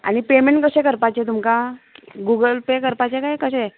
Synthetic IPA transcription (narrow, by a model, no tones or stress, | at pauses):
a̰ɽ̃ipemeɳʈkəɕẽkəɾpat͡ɕet̪umkaɡuɡəlpekəɾpat͡ɕekajkəɕe